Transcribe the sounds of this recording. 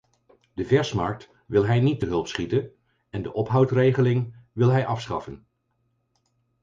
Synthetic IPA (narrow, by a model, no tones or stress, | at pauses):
d̥əvɛɹsmɑɹk̚t | ʋɪlˠɦɛjnit̚dəɦɵlˠpsχitən | ɛndəʔɔpɦɑwtrejχəlɪŋʋɪlˠɦɛjʔɑfsχɑ̰fən